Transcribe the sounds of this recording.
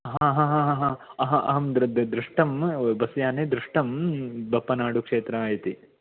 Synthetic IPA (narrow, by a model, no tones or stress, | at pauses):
ɦãːɦãːɦãːɦãːɦãːɐɦɐʔɐ̰ɦɐmd̪d̪d̪ɾuʂʈɐmbɐsjaːneːd̪ɾuʂʈɐmbɐpːɐnaːɽukʂeːt̪ɾɐaːjɐt̪i